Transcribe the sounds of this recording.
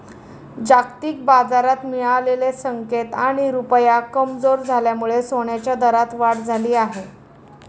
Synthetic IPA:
d͡ʑakt̪iːk̚bad͡zaɾat̪miɭalelesəŋket̪aɽ̃iɾupjakəmd͡zoɾd͡zʱaljamuɭesoɳjat͡ɕjad̪əɾat̪ʋaʈd͡zʱaliːaɦe

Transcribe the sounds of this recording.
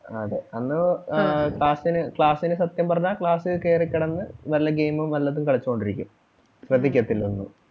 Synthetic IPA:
ɐðeɐnːɨ | kɭaːsinɨkɭaːsinɨsɐt̪jɐmpɐrɐɲːakɭaːsɨke̞ːrikʲːɐɽenːɨʋɐlːɐɡejmɐmʋɐlːɐðumkɐɭit͡ɕːuko̞ɳɖiɾikʲːṵm | ɕrɐd̪ʱːikʲːɐt̪ːilunːṵ

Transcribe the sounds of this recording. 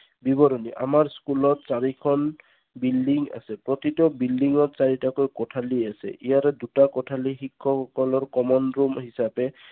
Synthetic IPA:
bibɔɾɔniʔa̰maɹskulɔtsaɹikʰɔn | bildiŋa̰sɛpɹɔt̪itɔbildiŋɔtsaɹitakojkɔtʰaliasɛ̰ʔijaɾɛdutakɔtʰalixikʰːɔxɔkɔlɔɹkɔmɔnɹumɦisapɛ

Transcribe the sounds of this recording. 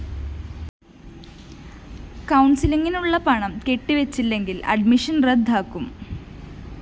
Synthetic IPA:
kɐwɳsiliŋinuɭːɐpɐɳɐmke̞ʈːiʋet͡ɕːilːe̞ŋɡilɐ̰ɖmiʂɐnred̪ʱːaːkːum

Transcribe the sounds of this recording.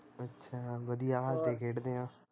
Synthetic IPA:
ətːʃʰaːʋəd̪ijaːɦalt̪ekʰeːʈd̪eːɦãː

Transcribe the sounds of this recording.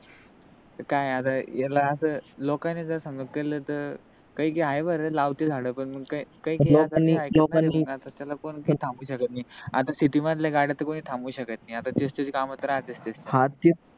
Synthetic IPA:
t̪əɾkajat̪ajalaəsəːlɔkanːid͡zəasəŋɡəkələːt̪əɾ | kəikeɦajʋəɾəlaʋt̪ed͡zʱaɽəpəɳməɡkajkaieloakt̪aniajlokaanːmiəɡat̪at̪jalakoɳkit̪ʰãmbuːɕəkət̪naja̰t̪asiʈimat̪̬ljaɡaɽat̪ːəkoɽ̃iːt̪ʰãmbuːɕəkət̪najat̪at͡ɕest̪ed͡ʑkamət̪ɾaːt͡sest̪eshat̪i

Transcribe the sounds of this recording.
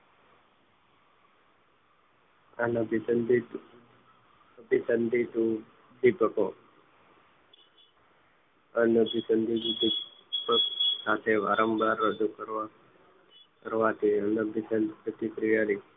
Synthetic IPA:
anəbʱisənd̪it̪ | əbʱisənd̪ʱit̪u | d̪ipəko | ənəbʱisənd̪ʱid̪id̪ipəksat̪ʰeʋa̰ɾəmbʱaɾːəd͡ʒukəɾa | kəɾʋat̪ʰiənəbʱisənpɾət̪ipɾijaɾi

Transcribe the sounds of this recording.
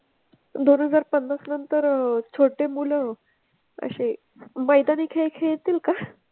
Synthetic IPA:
d̪onɦəd͡zaɾpənːəsnənt̪əɾt͡sʰoʈemulə̃ | ə̰ɕe | məjd̪aniːkʰeɭkʰeɭt̪iːlka

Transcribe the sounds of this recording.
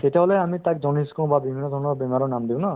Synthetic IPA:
tet̪eɦɔleamit̪ak̚d͡ʒɔniskɔ̃babibʱinːɔd̪ʱɔɹnɔɹbɛmaɾɔnamd̪ibɔ̃na

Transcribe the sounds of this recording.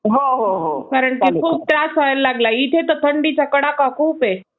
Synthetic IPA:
ɦoɦoɦokaɾəɳkikʰuːb̚ʈɾasajəllaɡlait̪ʰet̪ət̪ʰəɳɖit͡sakəɽakakʰuːpe

